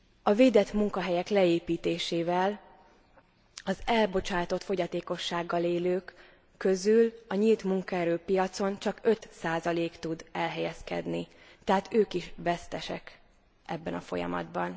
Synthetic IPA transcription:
ɒveːd̪ɛt̪muŋkɒɦɛjɛklɛeːpiːt̪eːʃeːvɛl | ɒzɛlbo̞t͡ʃaːt̪o̞t̪fo̞ɟɒt̪eːko̞ʃːaːɡːɒleːløːkː | ø̞zylɒɲilt̪muŋkɒɛɾøːpijɒt̪so̞nt͡ʃɒkø̞t̪saːzɒleːkt̪ud̪ɛlɦɛjɛskɛ̰d̪nit̪ɛɦaːt̪øːkiʃvɛst̪ɛʃɛ̰k | ʔɛbːɛnɒfo̞̰jɒ̰mɒ̰d̪bɒn

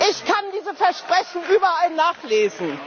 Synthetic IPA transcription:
ʔɪçkʰandiːzəfɛɐʃpʁ̥ɛçn̩yːbɐalnaːχleːzn̩

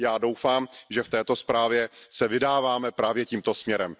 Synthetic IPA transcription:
jaːdo̞wfaːmʒɛft̪ɛːt̪o̞spɾaːvjɛsɛvɪdaːvaːmɛpɾaːvjɛciːmt̪o̞smɲɛɾɛm

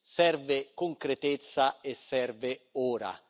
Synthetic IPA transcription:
sɛrvɪkoŋkɾet̪et̪sːaesːɛrvɪuːɾa̰

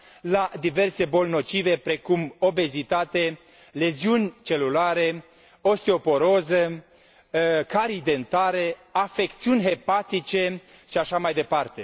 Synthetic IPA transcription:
lad̪ive̞rse̞bo̞lno̞t͡ʃive̞pɾe̞kumo̞be̞zit̪at̪e̞ | le̞ziunʲt͡ʃe̞lulaɾe | o̞st̪eo̞po̞ɾo̞zə | kaɾid̪e̞nt̪aɾe̞afe̞kt̪siunʲɦe̞pat̪it͡ʃe̞ | ʃiaʃamajd̪e̞part̪e̞

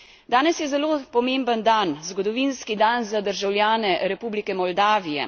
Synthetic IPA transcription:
d̪aːnɛsjɛzɛloːpɔmembənd̪anzɡɔd̪ɔʋinskid̪anzad̪əɾʒawlʲjaːnɛɾɛpuːblikɛmɔld̪aːʋijɛ̰

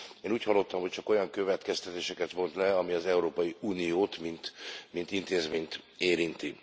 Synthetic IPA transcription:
eːnuːchɒlːo̞t̪ːɒmho̞c̚t͡ʃɒko̞jɒŋkø̞vɛt̪kɛst̪ɛt̪eːʃɛkɛt̪mo̞nt̪lɛɒmiɒzɛuɾoːpɒjiuːnijoːt̪mint̪mint̪int̪eːzmeːɲt̪eːɾint̪i

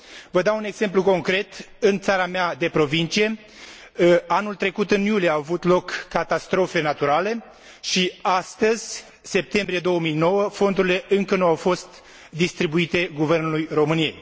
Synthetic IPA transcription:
vəd̪aune̞ɡz̥e̞mpluko̞ŋkɾe̞t̪ɨnt̪saɾamead̪e̞pɾo̞vint͡ʃije̞ | anult̪ɾe̞kut̪ɨnjulijeaavut̪lo̞kːat̪ast̪ɾo̞fe̞nat̪uɾale̞ | ʃiast̪əzʲ | se̞p̚t̪e̞mbɾijed̪o̞wəmijno̞wəfo̞nd̪uɾile̞ʔɨŋkənuawfo̞st̪ | d̪ist̪ɾibuit̪e̞ɡuve̞rnulujro̞mɨnie̞j

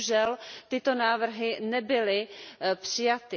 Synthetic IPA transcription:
ʒɛlt̪ɪt̪o̞naːvr̩ɦɪnɛbɪlɪpr̥ɪjat̪ɪ

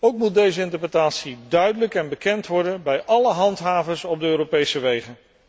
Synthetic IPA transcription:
owkmut̚dejzəɪntəɹprətaːtsidœɥdələkɛnbəkɛntʋɔɹdənbɛjʔɑləɦɑntɦaːvəɹsɔb̚dəøːropejsəʋejχən

